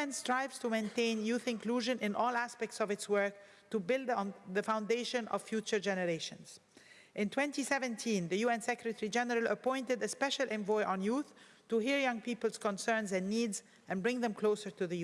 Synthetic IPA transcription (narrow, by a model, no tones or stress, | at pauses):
ɛ̃nstɹ̥aɪvz̥tʰumẽɪ̃ntẽɪ̃njuθɪ̃nkluʒɨ̃nɪ̃nʔɔːlˠæspɛk̚tsɔvɨtswɜ˞k̚ | tubɪlˠd̪ðəfãʊ̃ndeɪʃə̃nʌ̰v̥fjut͡ʃə˞d͡ʒɛnəɹeɪʃə̰̃nz̥ | ʔɪ̃ntʰw̥ɛ̃ntisɛvɨ̃ntʰĩnðɨjuɛ̃nsɛkɹɨtʰɛɹid͡ʒɛnəɹəlˠəpɔ̃ɪ̃ntɨdəspɛʃəlˠʔɛ̃ɱvɔɪʔə̃njuθ | tuhiɹjʌ̃ŋpipəlˠz̥kə̃nsɜ̃˞nzɛ̃nːiːdz | ɛ̃nbɹɪ̃ŋðɛ̃mkʰl̥oʊsə˞tuðɨju